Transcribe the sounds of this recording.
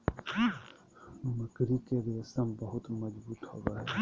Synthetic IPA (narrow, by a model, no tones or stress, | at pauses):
məkɾikeɾiəsəmbəɦʊt̪mɐzbuːt̪hoːɡaɦɛː